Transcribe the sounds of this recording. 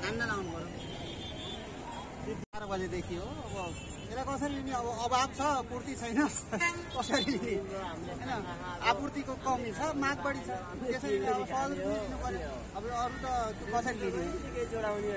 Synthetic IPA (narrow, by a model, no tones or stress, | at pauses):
anːalawnupʌɾ | sut̪ipaɾʌbʌled̪ekʰijoʌbʌ | meɾakʌsʌɾiiniʌβʌːbabt͡sʰʌkuɾt̪it͡sʰʌjnʌskʌsʌɾilini | ɦʌjnʌ | apurt̪ikokʌwmit͡sʰʌmaɡ̚baɽit͡sʰʌ | t̪esʌɾiliiʌʌsʌɡɾpunid̪ʰinupʌni | ʌbʌʌɾut̪ʌt̪jokʌsʌɾiliniɽan